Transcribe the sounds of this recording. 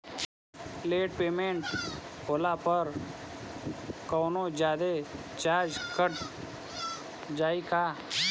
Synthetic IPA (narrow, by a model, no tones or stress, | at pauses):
leːʈpeːmẽɳʈɦoːlaːpəɾ | kɔːnõd͡ʒjaːd̪e | t͡ʃaːɾd͡ʒkəʈ | d͡ʒaːikaː